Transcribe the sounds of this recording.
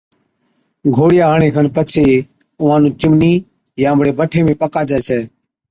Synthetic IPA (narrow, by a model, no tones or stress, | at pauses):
ɡʱoːɽɪjaːɦəɳẽːkʰənpət͡ʃʰeː | ʊʋãːnũːt͡ʃɪmniː | jãːəmɽeːbəʈʰeːmẽːpəkaːd͡ʒɛːsʰɛː